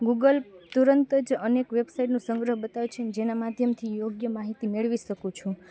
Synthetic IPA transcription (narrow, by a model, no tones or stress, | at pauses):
ɡuɡəlt̪uɾənt̪əd͡ʒənekʋebsaiʈnũsəŋɡɾəɦbət̪ajut͡ʃʰened͡ʒenamad̪ʱjəmt̪ʰijoɡjəmaɦit̪imeɭʋiʃəkũt͡ʃʰũ